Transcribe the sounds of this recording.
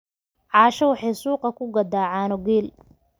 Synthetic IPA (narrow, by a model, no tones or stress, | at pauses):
ʕɑːʃɐwɑħɑjsuːqɑkʰʊɡɐd̪aːʕaːnɔɡiːl